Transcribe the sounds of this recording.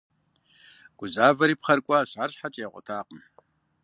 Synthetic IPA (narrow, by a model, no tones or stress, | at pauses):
ɡ̥ʷʊzaːvɐɾiːpχɐrkʷʼɑɕaːrɕħat͡ʃʼɐjaqʷʼɔ̰tʰaːqəm